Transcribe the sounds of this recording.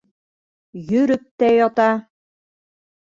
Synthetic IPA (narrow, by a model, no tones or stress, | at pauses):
jɵɾɵp̚t̪æjɒt̪ɑ